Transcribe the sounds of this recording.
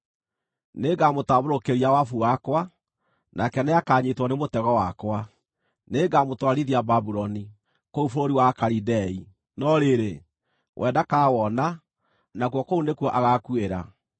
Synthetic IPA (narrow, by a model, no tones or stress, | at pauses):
neɡamotaβoɾokeɾiawafuwakwa | nʔakɛneakaɲetwɔnemotɛɣɔwakwa | neɡamotwaɾiðiababuɾɔni | koufoɾoɾiwakaɾidɛi | nɔɾeɾe | wʔɛdakawɔna | nakwɔkounekwɔʔaɣakweɾa̰